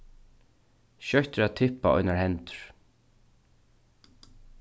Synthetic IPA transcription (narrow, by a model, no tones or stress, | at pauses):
ʃœht̪ɪɹat̪ʰɪhpːa̰ɔ̰jnaɹhɛnt̪ʏ̥ɹ̥